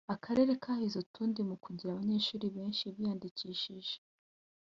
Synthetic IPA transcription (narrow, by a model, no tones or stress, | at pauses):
akʰaɾe̞ɾe̞kʰahizutʰuːndimukuɟiɾaβaɲe̞ːʃuːɾiβe̞ːnʃiβijaːndiciːʃiʒe